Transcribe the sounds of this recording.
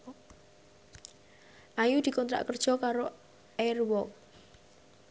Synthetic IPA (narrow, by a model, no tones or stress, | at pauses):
ʔajud̪̥i̤kɔnt̪ɾa̰ʔkərd̥ʒ̥ɔ̤kaɾo | ɛrwɔk̚